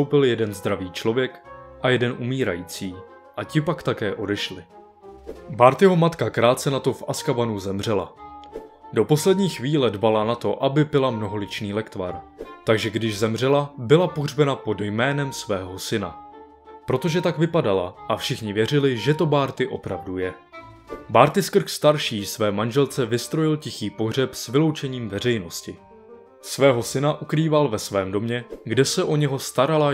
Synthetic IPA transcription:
t̪owpɪljɛdɛnzd̪ɾaviːt͡ʃlo̞vjɛkʔajɛdɛnʔumiːɾajiːt͡siː | ʔacɪpakt̪akɛːʔo̞dɛʃlɪ | baːɾt̪jɛɦo̞mat̪kakɾaːt̪̚t͡sɛnat̪o̞fʔaskavanuzɛmr̝ɛla̰ | do̞po̞slɛdɲiːxviːlɛdbalanat̪o̞ʔabɪbɪlamno̞ɦo̞lɪt͡ʃniːlɛkt̪vaɾt̪aɡʒɛɡdɪʒzɛmr̝ɛlabɪlapo̞ɦr̝bɛnapo̞djmɛːnɛmsvɛːɦo̞sɪna̰ | pɾo̞t̪o̞ʒɛt̪aɡvɪpadala̰ʔafʃɪxɲɪvjɛr̝ɪlɪʒɛt̪o̞baːɾt̪ɪʔo̞̰pɾavdujɛ | baːɾt̪ɪskr̩xst̪aɾʃiːsvɛːmanʒɛlt͡sɛvɪst̪ɾo̞jɪlcɪxiːpo̞ɦr̝ɛpsvɪlo̞wt͡ʃɛɲiːmvɛrɛjno̞scɪ | svɛːɦo̞sɪnaʔukɾiːvalvɛsvɛːmdo̞mɲɛɡdɛsɛʔo̞ɲɛɦo̞st̪aɾala

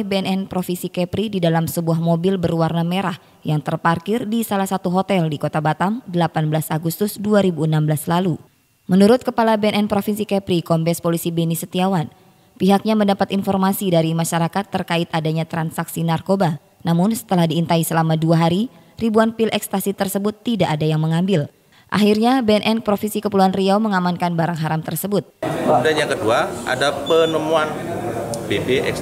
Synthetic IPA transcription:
beɛnɛnpɾofinsikɛpɾididalamsəbuahmobɪlbərwarnameɾah | jaŋt̪ərparkɪrdisalahsat̪uɦot̪ɛldikot̪abat̪amdəlapanbəlasaɡust̪ʊsduaɾibuənambəlaslalu | mənuɾʊt̪̚kəpalabeɛnɛnpɾofinsikɛpɾikɔmbɛspolisibenisət̪iawan | piɦak̚ɲaməndapat̪infɔrmasidaɾimaʃaɾakat̪ːərkaɪt̪adaɲat̪ɾansaksinarkoba | namʊnsə̥t̪əlahdiːnt̪aisəlamaduaɦaɾi | ribuanpilʔɛkst̪asit̪ərsəbʊt̪ːidaʔːdajaŋməŋambɪl | ʔa̰ɦirɲabeɛnʔɛnpɾofinsikəpuluanriaməŋamankanbaɾaŋɦaɾamt̪ərsəbʊt̪̚adaɲakəduaʔa̰dapənəmuan | bebeʔɛ̰k

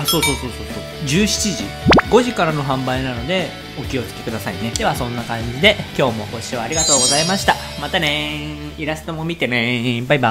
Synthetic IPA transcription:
aso̞ːso̞ːso̞ːso̞ːsoː | d͡ʑɨːɕi̥t͡ɕiʑi | ɡo̞ʑikaɾano̞ɦãmbainano̞d̪e̞ | o̞kʲio̞sɨ̥t̪ːe̞kɯ̟d̪asaine̞d̪e̞βasõ̞nːakãɲ̟d͡ʑid̪e̞kʲo̞ːmo̞ko̞ɕiaɾʲiɡat̪o̞ːɡo̞zaimaɕi̥t̪a | mat̪ane̞ | iɾast̪o̞mo̞mʲit̪e̞nẽibaiba

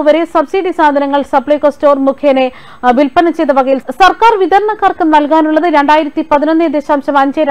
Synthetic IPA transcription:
ɨʋɐɾe̞sɐbsiɖisaːd̪ʱɐnɐŋːɐɭsɐpɭɐjkoːsto̞ːrmukʰjeːne | ʋilpɐnɐt͡ɕejt̪ːɐʋɐɣɐjilsɐrkaːrʋid̪ʱɐɾɐɳɐkːaːrkɨnɐlkaːnuɭːɐðɨɾe̞ɳɖaːjiɾɐt̪ːipɐðinonːed̪eːɕaːmɕɐmɐɲd͡ʑɐɾ

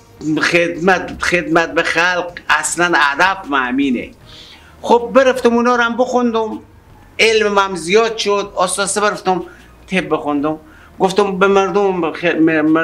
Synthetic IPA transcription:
χed̪mæt̪χed̪mæt̪̚bexalqaslænad̪abmaminḛ | χob̚ːeɾeft̪omunɔːɾamboxund̪um | elmmæmzijɔːd̪ʃod̪ɔːsɔsebeɾeft̪om | t̪ʰeb̚bexund̪om | ɡoft̪ombemeɾd̪om

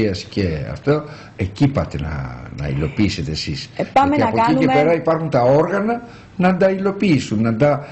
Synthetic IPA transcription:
iɐsce̞ɐ̰ft̪o | ecipɐt̪enɐ̰nɐ̰ḭlo̞piiset̪esisaɐiɐpoicepeɾɐipɐɾxunt̪ɐo̞ɾɣɐnɐ | nɐnd̪ɐilo̞piisunːɐnd̪ɐ

